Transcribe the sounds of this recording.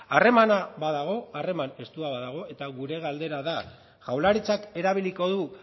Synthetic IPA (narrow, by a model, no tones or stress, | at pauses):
are̞manaβaðaɣ̞o̞are̞mane̞st̪uaβaðaɣ̞o̞e̞t̪aɣuɾe̞ɣald̪e̞ɾaða | ʝawlaɾit͡sake̞ɾaβ̞iliko̞ðu